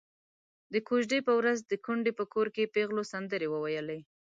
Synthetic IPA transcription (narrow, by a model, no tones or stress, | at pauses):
d̪əkuʒɖepəwɾazd̪əkuɳɖepəkoɾkepeɣlosand̪əɾewəwajəlej